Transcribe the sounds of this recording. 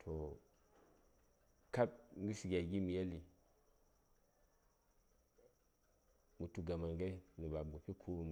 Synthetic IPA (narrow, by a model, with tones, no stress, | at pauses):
tʰo˨ | ka˦t̚ŋɡi˦si˨ɡʲa˨ɡi˦mi˨je˦li˨ | mu˨tu˨ɡa˨ma˨ŋɡe˦ni˨ba˨bu˨pi˦kʰu˦m